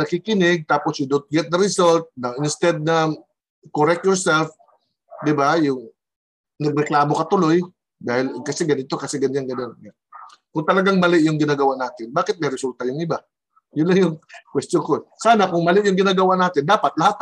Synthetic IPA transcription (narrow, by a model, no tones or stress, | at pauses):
nɐkikɪnɪɡ̚t̪aːposjʊd̪ot̪̚ɡɛt̪̚d̪ɐɾɪsolt̪̚nɐʔɪnst̪ɛd̪̚nɐ | koɾɛk̚t̪jɔɹsɛlf | d̪ɪbajʊŋ | nɐɡ̚ɾɛklaːmokɐt̪ʊloj | d̪aːhɪlkɐsɛɡɐnɪt̪o̞kɐsɛɡɐnɲanɡɐnona | kʊŋt̪ɐlɐɡaŋmɐlɪʔjʊŋɡɪnaːɡɐwaʔnaːt̪ɪnbaːkɪt̪̚mɐjɾɪsult̪ɐjʊŋɪba | jʊnlaŋjʊŋkwɛst̪jonkosaːnakʊŋmɐlɪʔjʊŋɡɪnaːɡɐwaʔnaːt̪ɪnd̪aːpat̪̚lɐhat̪